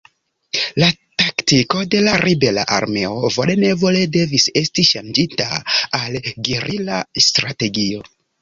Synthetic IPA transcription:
lataktiko̞de̞laɾibe̞la̰ʔa̰ɾme̞o̞vo̞le̞ne̞vo̞le̞de̞vise̞stiʃand͡ʒita̰alɡiɾʔilastɾate̞ɡio̞

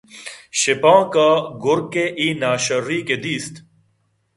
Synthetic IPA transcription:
ɕepãːkaɡʊɾkeʔiːnaːɕɐɾɾiked̪iːst̪

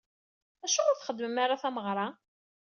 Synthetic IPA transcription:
æʃuoɾθχəd̪ːməmaɾˤaθæməʁɾˤɑ

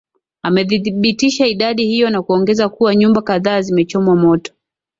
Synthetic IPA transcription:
amɛðiɓitiʃaiɗaɗihijɔnakuɔŋɡɛzakuwaɲumbakaðaːzimɛt͡ʃɔmwamɔtɔ̥

